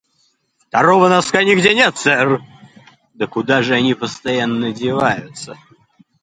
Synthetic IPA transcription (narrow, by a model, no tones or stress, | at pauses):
ft̪ɐɾovənɐskanʲɪɡdʲenʲet̪sɛr | d̪əkʊd̪aʐɨɐnʲipəst̪ɐjanːədʲɪvajʊt̪sə